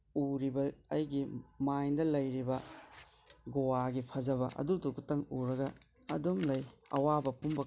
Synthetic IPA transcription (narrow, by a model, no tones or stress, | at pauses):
uɾibɐɐjɡimajdɐlɐjɾibɐ | ɡowaɡipʰɐzɐβɐ̰ʔɐ̰duduɡutɐŋuɾɐɡɐ̰ː | dumlɐjɐ̰wabɐpumbɐ